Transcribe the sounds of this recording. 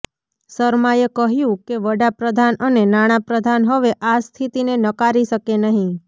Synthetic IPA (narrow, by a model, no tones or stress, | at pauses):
səɾmajəkəɦjũkeʋəɽapɾəd̪ʱanənenaɽ̃apɾəd̪ʱanɦəʋeʔast̪ʰit̪inenəkaɾiʃəkenəɦĩ